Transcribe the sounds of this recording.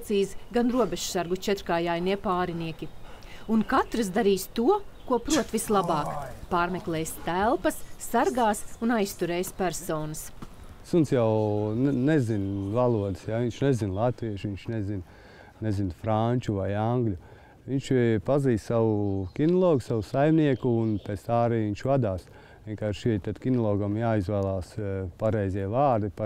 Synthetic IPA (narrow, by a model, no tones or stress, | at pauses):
t̪siːzɡanɾuɔbeʒsaɾɡut͡ʃɛt̪ɾkaːjaːjniɛpaːɾiniɛkʲiunkat̪ɾɨs̬d̪aɾiːst̪uɔkuɔpɾuɔt̪vislˠabɑːkpaːɾmɛklˠɛːjst̪ælˠpɐsːaɾɡaːsunajst̪uɾɛːjspæɾsɔːnɐs | sunsjawnnɛzinvalˠuɔd̪əsjaiɲʲt͡ʃnɛzinlˠat̪ʋiɛʃʋiɲt͡ʃnɛzin | nɛzinfɾanʲt͡ʃuvajaŋɡlʲu | ʋiɲʃpaziːssaʋukʲinɔlˠɔːɡusaʋusajmniɛkuːnpɛt̪st̪aːɾiːʋiɲʲt͡ʃvad̪aːs | vʲiɛnkaːɾʃit̪ad̪kʲinɔlˠɔːɡamjaːizvæːlˠaːspaɾɛjziɛvaːɾd̪ipa